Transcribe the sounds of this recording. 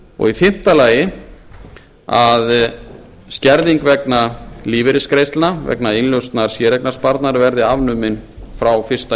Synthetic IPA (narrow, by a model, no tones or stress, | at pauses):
ɔ̰ɣifɪm̥t̪alaːjɪ | að | scɛɾðiŋkvɛknaliːvɪɾɪskɾejst̪lnavɛ̰knainljœwst̪naɾ̥sjɛːɾɛknaspaɾt̪naɾvɛɾðɪavnʏmɪnfɾawfɪr̥st̪a